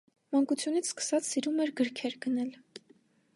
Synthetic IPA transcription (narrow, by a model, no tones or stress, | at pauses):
mɑŋkut͡sʰjunit͡sʰskə̥sɑt͡ssiɾumɛɾɡəɾkʰɛɾɡənɛl